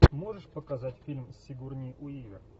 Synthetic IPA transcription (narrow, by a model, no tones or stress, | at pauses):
mo̞ʐɨʂpəkɐzatʲfʲilʲmsʲːɪɡurnʲɪjʊivʲɪr